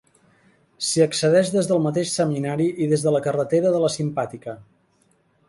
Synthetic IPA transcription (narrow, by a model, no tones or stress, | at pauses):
siəksəðɛʒðezðəlˠmət̪eʃsəminaɾiʔiðezðələkərət̪eɾəðələsimpat̪ikə